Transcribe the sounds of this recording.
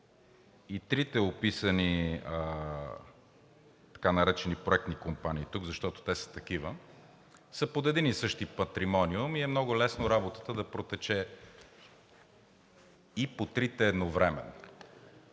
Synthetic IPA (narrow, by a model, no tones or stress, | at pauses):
it̪ɾit̪ɛopisəniə | t̪ɐ̥kanɐɾɛt͡ʃɛnipɾoɛk̚t̪nikompaniːt̪uɡzɐʃt̪ɔt̪o̥t̪ɛsə̥t̪ɐk̟ivə | səpod̪ɛd̪inisɤʃt̪ipɐt̪ɾimɔniʊmiɛmnɔɡʊlɛsnoɾabot̪ə̥t̪əd̪ɐpɾot̪ɛt͡ʃɛ | ipot̪ɾit̪ɛːd̪novɾɛmɛ̰no